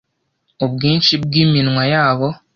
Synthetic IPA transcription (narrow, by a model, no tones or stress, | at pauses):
oβɡiːnt͡ʃibɡiːminwajaːβo